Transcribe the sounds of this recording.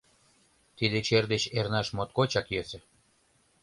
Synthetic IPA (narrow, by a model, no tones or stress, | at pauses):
t̪id̪ĕt͡ɕerd̪et͡ɕernɑʃmot̪̚kot͡ɕɑkjøsĕ